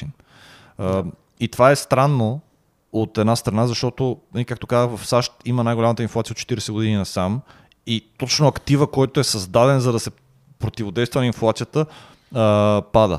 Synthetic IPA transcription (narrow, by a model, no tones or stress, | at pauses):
in | it̪ovaɛst̪ɾanːo | ot̪ɛd̪nast̪ɾɐnazɐʃt̪ɔt̪onəlikak̚t̪okazəxvɐfsaʃt̪imənajɡolamət̪əinflˠat̪sijot̪ːt͡ʃɛt̪iɾɛsɛɡod̪ininɐsam | it̪ɔt͡ʃnoɐkt̪ivəkɔjt̪oɛsɐzd̪ad̪ɛnzɐd̪ɐsɛ | pɾot̪ivod̪ɛjst̪vɐninflˠat̪sijət̪ə | pad̪ə̰